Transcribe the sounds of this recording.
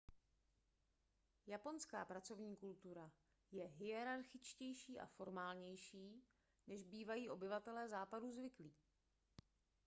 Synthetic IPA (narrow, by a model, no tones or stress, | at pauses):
japo̞nska̰ːpɾat͡so̞vɲiːkult̪uɾa | jɛɦɪjɛɾaɾxɪt͡ʃcɛjʃiːʔa̰fo̞ɾmaːlɲɛjʃiː | nɛʒbiːvajiːʔo̞bɪvat̪ɛlɛːzaːpaduzvɪkliː